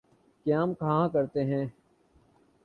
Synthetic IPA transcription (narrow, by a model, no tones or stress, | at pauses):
kjaːmkaɦãkəɾt̪eɦɛ̃ː